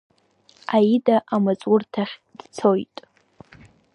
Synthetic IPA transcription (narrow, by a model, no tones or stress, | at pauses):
aidaʔamat͡sʼwʊrtʰaχʲd̥t͡sʰojtʼ